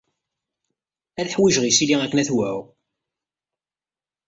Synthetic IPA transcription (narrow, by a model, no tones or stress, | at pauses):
æðħwiʒʁisiliækːnæθwæ